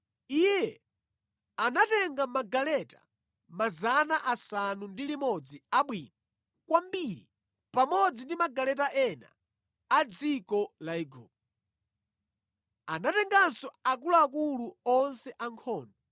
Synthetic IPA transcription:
ijɛ | anatɛŋɡamaɡalɛta̰ | mazanaʔasanundilimɔd͡ziaɓwiːna | kwambiɾi | pamɔd͡zindimaɡalɛtaʔɛna̰ | ad͡zikɔlaiɡɔ̰ːp̚ɔ | anatɛŋɡansɔak̬ulɔakuluɔnsɛʔaŋkʰɔːndɔ

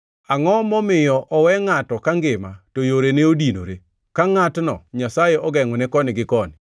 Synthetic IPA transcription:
aŋɔmɔmɪjɔʔɔwɛŋatɔkaŋɡɪmatojoɾeneodino̰ɾe | kaŋatnɔ̰ɲasajeɔɡɛŋɔnɛkɔnɪɡɪkɔnɪ

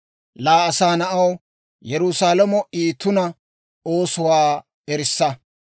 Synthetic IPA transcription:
laːɐsaːnɐʔɐw | jɛɾʊsaːlɐmɔʔiːt̪ːʊnɐ | o̞ːsʊwaː | ɛɾɪsːɐ

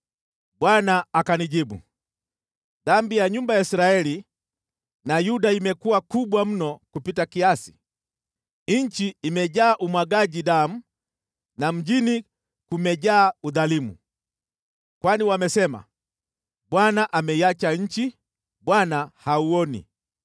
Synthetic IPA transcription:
bwanaakaniɟibṵ | ðambijaɲumbajaisɾaɛli | najudaimɛkuwakubwam̩nɔkupitakiasi̥ | iɲt͡ʃiimɛɟaːʔumwaɡaɟidam̩ | nam̩d͡ʒini | kumɛɟaːuðalimṵ | kwaniwamɛsɛma̰ | bwanaʔamɛiat͡ʃaɲ̩t͡ʃi | bwanahauɔnḭ

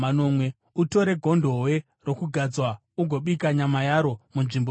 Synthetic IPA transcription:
ano̞mwe̞ | uto̞ɾe̞ɡʱo̞ndʱo̞we̞ | ro̞kuɡʱad͡zwa | uɡʱo̞ɓikaɲamajaɾo̞munʐimbo

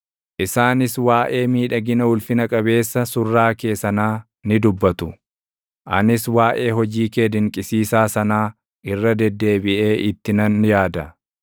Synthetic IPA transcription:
ʔɪsaːnɪswaːʔe̞ːmiːᶑɐɡɪnɐʊlfɪnɐkʼɐbe̞ːsːɐsʊrːaːke̞ːsɐnaː | nɪd̪ʊbːɐt̪ʊ | ʔɐ̰nɪswaːʔe̞ːɦɔd͡ʒiːkeːd̪ɪŋkʼɪsiːsaːsɐnaː | ʔɪrːɐd̪ɛd̪ːe̞ːbɪʔe̞ːʔɪt̪ːɪnɐnjaːd̪ɐ

